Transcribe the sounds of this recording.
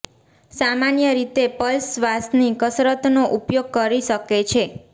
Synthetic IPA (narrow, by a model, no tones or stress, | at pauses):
samanjəɾit̪epəlsʋasnikəsɾət̪noʔupjoɡ̚kəɾiʃəket͡ʃʰe